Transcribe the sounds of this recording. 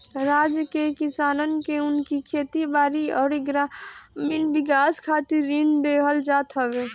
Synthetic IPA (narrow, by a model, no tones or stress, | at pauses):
ɾaːd͡ʒəkekɪsaːnənkeʊnkikʰeːt̪ibaːɾiɔːɾɡɾaminbɪk̬aːskʰaːt̪ɪɾːind̪eɦəld͡ʒaːt̪ɦəbe